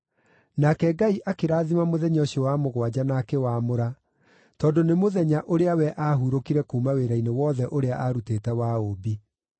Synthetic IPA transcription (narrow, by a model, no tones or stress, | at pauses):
nakɛɡaiʔakeɾaːðimamoðɛɲɔɕewamoɣwad͡ʑanaːkɛwaːmoɾa | tɔːdonemoðɛɲaʔoɾeawɛʔaɦuɾokiɾɛkuːmaweɾainewɔːðɛʔoɾeaʔaɾuteːtɛwaoːbi